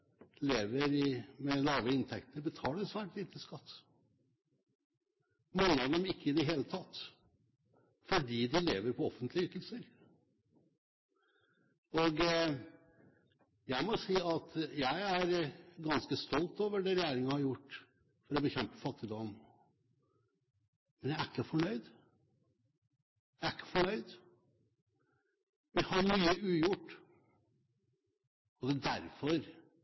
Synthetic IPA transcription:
leːʋəɾɪmɛlɑːʋəɪnt̪ʰɛkt̪əɾbət̪ʰɑːləɾsʋæːʈʋɪt̪əskɑt̪ː | mɑŋːəɑd̪ɛmɪkːəɪd̪ɛɦeːlət̪ʰɑt̪ː | fɔɖiːd̪ɪleːʋəɾpʰɔɔfːənt̪ʰlɪəʏt̪ːəl̩səɾ | ɔɡ | jæɪmɔsiːɑt̪jæɪæɾɡɑnskəst̪ɔlt̪oːʋəɖɛɾɛjeːɾɪŋəhɑɾjʊʈː | fɔɾɔbəçɛmpə̥fɑt̪ːɪd̪ɔm | mɛnjæɪæɾkːəfɔɳœʏd̪ | jæɪækːə̥fɔɳœʏd̪ | ʋɪhɑɾmyːəʉːjʊʈː | ɔd̪ɛd̪æɾfɔɾ

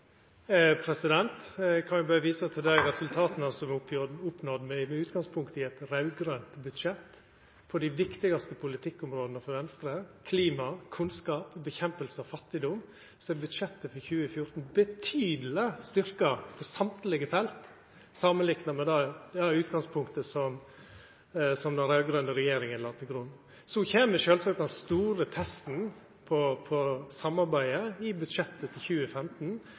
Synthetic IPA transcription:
pʰɾɛsɪd̪ɛnt̪kʰɑnjʊbɑɾəʋiːsɑt̪ʰɪld̪æɪɾɛsʉlt̪ʰɑːt̪nɑsɔmʊpnɔd̪mɛmɛʉːt̪ɡɑŋspʰʊŋkt̪ɪɛt̪ɾɑʉɡɾœnt̪bʉd̪ʂɛt̪ː | pʰɔd̪ɪʋɪkt̪ɪɡɑst̪əpʰʊlɪt̪ʰɪkːʊmɾoːd̪ənəfɔɾʋɛnst̪ɾəkʰliːmɑkʰʉnskɑːpbəçɛmpəlsəɔfɑt̪ːɪd̪ʊm | sɔɛbʉd̪ʂɛt̪ːəfɔɾçʉːəfjʊɾt̪n̩bət̪ʰyːd̪l̩əst̪ʏɾkɑpʰɔsɑmt̪lɪɡəfɛlt̪ | sɑmənlɪknɑmɛd̪ɑʉːt̪ɡɑŋspʰʊŋkt̪əsɔm | sɔmd̪ɛɾæːlɡɾʉnəɾɛjeːɾɪŋənlɑːt̪ʰɪɡɾʉnː | sɔçeːməʃøːlsɑk̚t̪̚d̪ɛnst̪uːɾət̪ʰɛst̪n̩ | pʰɔpʰɔsɑmːɑɾbæɪəɪbʉd̪ʂɛt̪ːət̪ʰɪlçʉːəfɛmt̪n̩

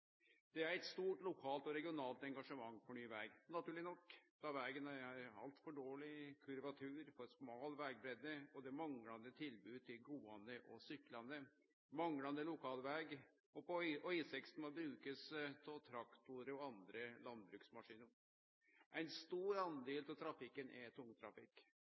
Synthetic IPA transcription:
d̪̥ɛæɾɛt̪st̪uːʈlʊkʰɑːlt̪ɔɾɛɡɪʊnɑːlt̪ɛŋɡɑʂəmɑŋːpʰɔnyːʋæːɡnɑt̪ʉːɭɪnɔkːd̪̥ɑʋæːɡənæɾɾɑ̰lt̪fɔɖoːɭɪkʰʉɾʋɑt̪ʰʉːɾfɔɾsmɑːlʋæːɡ̚bɾɛd̪əɔd̪ɛmɑŋlɑnd̪ət̪ʰɪlbʉːt̪ʰɪlɡuːɑnd̪əʔɔsʏkːlɑnə | mɑŋlɑnd̪əlʊkʰɑːlʋæːɡ | ɔpɔʔœʏsɛkst̪nmɔbɾʉːkəspʰɔt̪ʰɾɑkt̪ʊɾəɔɑnd̪ɾəlɑnbɾʉːksmɑʂiːnəɾ | ʔæɪnst̪uːɾɑnd̪eːlt̪ɪlt̪ʰɾɑfɪkːənʔɛt̪ʰʊŋt̪ʰɾɑfɪkː

